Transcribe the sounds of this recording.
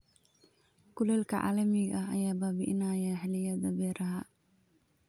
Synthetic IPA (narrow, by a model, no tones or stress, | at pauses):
kʰʊlɛːlkʰɐʕa̰ːlɐmɪɣɐʔɐɐjaːbaːbɪʔɪnaːjɐħɪlɪjɐdɐbɛːɾɐɦɐ